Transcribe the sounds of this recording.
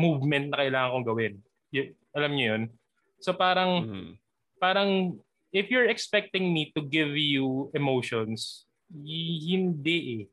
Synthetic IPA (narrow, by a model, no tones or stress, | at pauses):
muvmɛnt̪̚nɐkɐʔɪlaːŋɐŋkoŋɡɐwɪn | j | ʔɐlɐmɲojon | sopaːɾɐŋ | paːɾɐŋ | ʔɪfjʊɹɛkspɛk̚t̪ɪŋmit̪ʊɡɪvjuɛmowʃons | hɪnd̪ɛʔɛ